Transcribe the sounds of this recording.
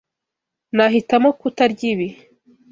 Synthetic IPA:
naɦitamokutaɾɟiβi

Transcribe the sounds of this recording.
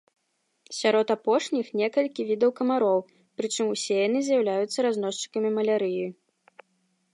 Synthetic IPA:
sʲaɾɔt̪apɔʂnʲixnʲɛkɐlʲkʲivʲid̪ɐwkɐmaɾɔw | pɾɨt͡ʂɨmusʲɛjanɨzʲjɐwlʲajut̪sːɐɾazn̪ɔʂt͡ʂɨ̥kɐmʲimɐlʲaɾɨjij

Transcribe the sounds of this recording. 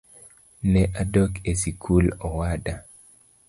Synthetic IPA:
nɛʔadokesikʰulɔwada

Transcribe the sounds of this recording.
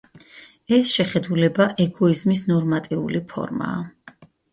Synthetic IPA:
ɛsʃɛχɛd̪ulɛbaʔɛɡɔizmisnɔɾmat̪ʼiṵlipʰɔ̰ɾma̰ː

